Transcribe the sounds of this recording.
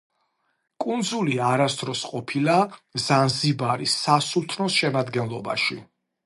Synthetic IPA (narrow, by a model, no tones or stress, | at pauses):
kʼund̪zuliaɾast̪ʰʼɾɔsqʼɔpʰilazanzibaɾisːasulˠt̪ʰnɔsʃɛmad̪ɡɛnlˠɔba̰ʃi